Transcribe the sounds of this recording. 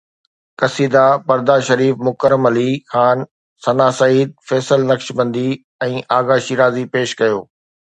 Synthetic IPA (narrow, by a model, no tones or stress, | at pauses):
kɐsiːd̪apɐɾd̪aʃɐɾiːfmʊkəɾəmɐlixaːn | sɐnaːsɐiːd̪̚fɛːsəlnɐkʃbɐ̃nd̪i | ɛ̃ːʔaːɣaʃiːɾaːzipeːʃkɐjoː